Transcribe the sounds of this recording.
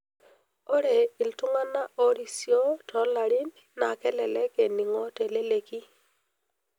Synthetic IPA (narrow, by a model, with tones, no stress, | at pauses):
ɔ˦ɾe˨i˨ltʊ˦ŋa˦na˦ʔɔ˦ɾi˨sjo˦tɔ˨˦la˨ɾi˦nː | a˨kɛ˦lɛ˨lɛ˦ke˨ni˨ŋɔ˦te˨le˦le˨ki˦